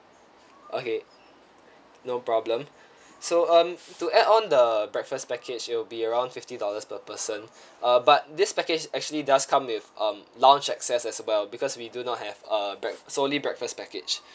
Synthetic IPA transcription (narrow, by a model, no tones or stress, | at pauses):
ʔo̰ke | nopɹɔblə̃m | soʌ̃mtuʔɛdɔ̃ndəbɹɛkfəspɛkʰɪd͡ʒɪt̚wɪlbiəɹãʊ̃ndfɪftidɔləspəpəsə̃n | ʔʌbat̚dɪspɛkɪd͡ʒɛk̚t͡ʃuəlidaskʰãmwɪfʔʌ̃mlãʊ̃nt͡ʃɛksɛsɛswɛlbikɔswidunɔt̚hɛvʌbɹɛksolibɹɛk̚fəspɛkɪ̰d͡ʒ